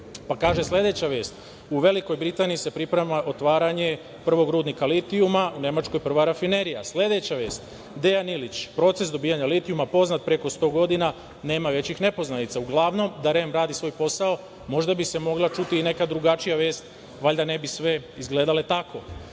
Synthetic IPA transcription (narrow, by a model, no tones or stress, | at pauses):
pakaːʒeslʲe̞d̪e̞t͡ɕaʋe̞ːst̪ | uʋe̞liko̞jbɾit̪aːniise̞pɾipɾemaʔo̞t̪ʋaːɾaɲe̞ | pr̩ʋo̞ɡɾuːd̪nikalit̪iumaune̞mat͡ʃko̞jpr̩ʋaɾafine̞ɾijaslʲe̞d̪e̞t͡ɕaʋe̞ːst̪ | d̪e̞janilit͡ɕpɾo̞t̪se̞sd̪o̞biːaɲalit̪iumapo̞znat̪̚pɾe̞ko̞st̪o̞ːɡo̞d̪ina | ne̞ːmaʋe̞t͡ɕixne̞po̞znanit̪sauɡlˠaʋno̞md̪aɾe̞mɾaːd̪isʋo̞ːjpo̞sao | mo̞ʒd̪abise̞mo̞ɡlat͡ʃut̪iːne̞kad̪ɾuɡat͡ʃijaʋe̞ːst̪ | ʋaʎʲd̪ane̞bisʋe̞izɡle̞ːd̪ale̞t̪akʰo̞